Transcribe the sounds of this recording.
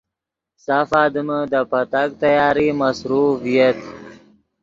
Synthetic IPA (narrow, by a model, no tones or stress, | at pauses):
safɑːd̪əməd̪əpat̪ak̚t̪ajɑːɾimasɾufijat̪